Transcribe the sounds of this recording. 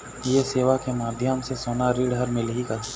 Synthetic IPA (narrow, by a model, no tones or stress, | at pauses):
jeseːʋakemaːd̪ʱjəmsesoːnaɾiːɽɦɐɾmɪlɦikaɾ